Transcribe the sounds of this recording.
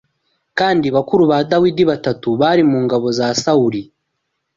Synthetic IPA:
kaːndiβakuɾuβadawidiβatatuβaɾimuːŋɡaβo̞zasauɾi

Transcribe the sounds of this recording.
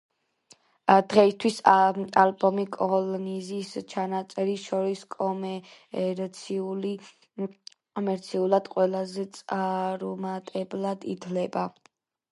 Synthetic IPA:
d̪̥ʁɛist̪ʰwisalbɔmikʼɔlɔnizist͡ʃʰanat̪sʼɛɾiʃɔɾiskʼɔmɛɾt̪sʰiuli | kʼɔmɛɾt̪sʰiulˠad̪̥qʼwɛlˠazɛt̪sʼaɾmat̪ʼɛblad̪ḭt̪ʰlɛba

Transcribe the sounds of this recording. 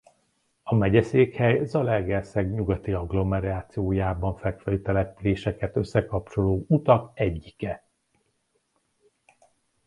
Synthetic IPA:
ɒmɛɟɛseːkhɛjzɒlɛrɡɛsɛɡɲuɡɒt̪iɒɡlo̞mɛɾaːt̪sijoːjaːbɒɱfɛkfɛlyt̪ɛlɛpyleːʃɛkɛt̪ø̞sːɛkɒpt͡ʃo̞loːut̪ɒkɛɟːikɛ

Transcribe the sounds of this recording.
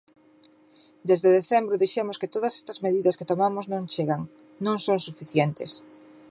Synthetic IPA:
d̪ezðeðeθɛmbɾʊðiʃemʊskɪt̪oðɐsɛ̥st̪ɐzmeðiðɐsket̪omamʊznõŋt͡ʃeɣaŋ | nõŋsoŋsufiθjɛnt̪es

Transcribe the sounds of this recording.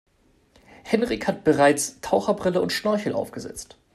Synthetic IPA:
hɛnʁɪçhat̚b̥əʁaɪt͡stʰaʊxɐbʁɪləʊntʃnɔɐçl̩ʔa̰ʊfɡ̥əzɛ̰t͡st

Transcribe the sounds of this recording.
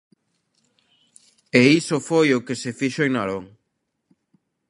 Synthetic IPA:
eisofojokesefiʃoeŋnaɾoŋ

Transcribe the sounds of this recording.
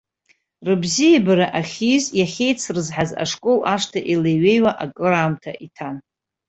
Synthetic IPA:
rɨbzijabaɾaʔaχʲizjaχʲejt͡sʰrɨzħaza̰ʂkʼolʔaʂtʰaʔilejɥe̞jwaʔakʼɨɾaːmtʰaʔitʰan

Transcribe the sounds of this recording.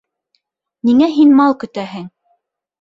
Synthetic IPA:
niŋæɦinmɑlˠkɵ̆t̪æɦɘŋ

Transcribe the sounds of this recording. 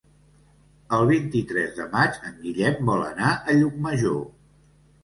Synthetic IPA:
əlˠβint̪it̪ɾɛzðəmat͡ʃəŋɡiʎɛmbɔlə̰naʔəʎuk̚məʒo

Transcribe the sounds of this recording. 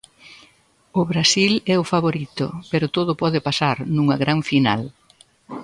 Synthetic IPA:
ʊβɾasilɛʊfaβoɾit̪ʊ̰peɾʊt̪oðʊpɔðɪpasaɾnũŋɐɣɾaɱfinal

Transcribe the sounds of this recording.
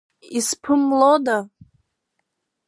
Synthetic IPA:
ispʰɨmloda

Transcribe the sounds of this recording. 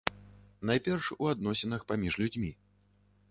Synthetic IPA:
najpʲɛrʂuad̪nɔsʲɪnɐxpamʲiʐlʲud͡zʲmʲi

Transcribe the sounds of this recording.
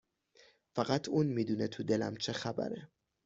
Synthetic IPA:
fæɢæt̪ʰuːnmiːd̪uːnet̪ʰud̪e̞læ̰mt͡ʃʰe̞xæbæ̰ɾe

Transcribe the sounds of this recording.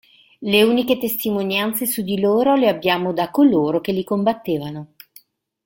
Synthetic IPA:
leuːniket̪est̪imonjant̪sesud̪iloːɾoleabːjaːmod̪akoloːɾok̟elikombat̪ːeːvano

